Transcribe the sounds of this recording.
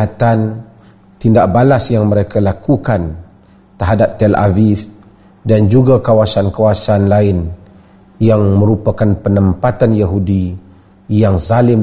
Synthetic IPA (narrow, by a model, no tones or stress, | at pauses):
at̪an | t̪indaʔ̚balasjaŋməɾekalakukan | t̪əɦadap̚t̪ɛla̰vif | dand͡ʒuɡakawasankawasanlaɪn | jaŋmə̃ɾupakanpənəmpat̪anjaɦudi | jaŋzalɪm